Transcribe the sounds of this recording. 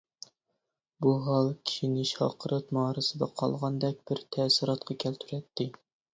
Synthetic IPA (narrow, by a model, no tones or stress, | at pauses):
buɦɑlˠkʲʰi̥ʃinɪʃɑ̰qʰəɾʔɑt̪mɑːɾɨsɨd̪ɑqʰɑ̰lˠʁɑnd̪ɛk̚ʲb̥ɪɾt̪ʰɛsɨɾɑt̪qʰɑkʲʰɛlt̪ʰyɾɛt̪ʰːɪ